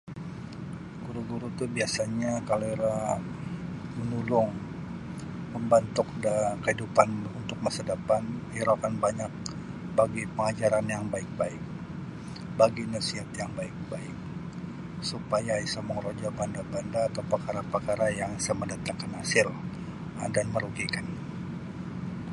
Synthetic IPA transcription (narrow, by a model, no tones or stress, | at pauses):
ɡuɾuɡuɾut̪ubiasaɲakaloiɾa | mənulʊŋ | məmbant̪ʊk̚dakəhidupanunt̪ʊk̚masadapaniɾakanbaɲak̚ | baɡipəŋad͡ʒaɾanjaŋbaɪk̚baɪk̚ | baɡinəsiɦat̪jaŋbaɪk̚baɪk̚ | supajaisaməŋɾod͡ʒabandabandaːt̪awpərkaɾapəkaɾajaŋisaməndat̪aŋkanhasɪl | danməɾuɡikan